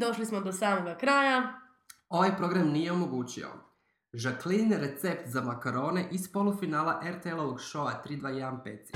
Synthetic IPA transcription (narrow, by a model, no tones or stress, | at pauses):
d̪o̞ʃlismod̪osaːmoɡakɾaːja | o̞ʋajpɾo̞ɡɾamnije̞o̞mo̞ɡuːt͡ɕio̰ | ʒakliniɾe̞t̪se̞pt̪zamakaɾo̞ːne̞ʔispo̞lˠufinaːlˠaʔeɾt̪eelˠoʋoɡʃo̞at̪ɾiːd̪ʋaːjed̪anpeːt̪si